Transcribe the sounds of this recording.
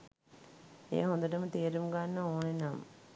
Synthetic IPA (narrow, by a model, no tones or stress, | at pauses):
ḛːɦond̪ɐʈɐmɨt̪eːɾumɡanːɐoːnenam